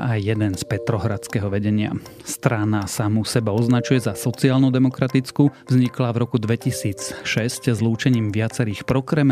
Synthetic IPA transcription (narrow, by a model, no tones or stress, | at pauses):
ʔajːɛd̪ɛnspɛt̪ɾɔɦɾat͡skɛɦɔʋɛɟɛɲɪa̰ | st̪ɾanasamusɛbaɔznat͡ʃujɛzasɔt͡siaːlnɔd̪ɛmɔkɾat̪it͡skuvzɲiklavɾɔkud̪ʋɛcisiːt͡sʃɛsczluːt͡ʃɛɲiːmʋɪat͡sɛɾiːxpɾɔkɾɛm